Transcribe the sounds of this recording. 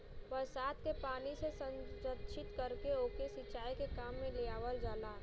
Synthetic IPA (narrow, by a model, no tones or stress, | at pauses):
bəɾsaːd̪kepaːnisesə̃nd͡ʒət̪t͡ʃʰɪt̪kəɾkeoːkesɪt͡ʃaːikekaːmːẽleaːʋəld͡ʒaːlaː